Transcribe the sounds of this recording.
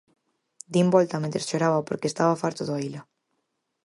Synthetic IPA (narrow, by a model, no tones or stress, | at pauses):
d̪imbɔlt̪amẽnt̪ɾesʃoɾaβapoɾkeːst̪aβafaɾt̪oðoaila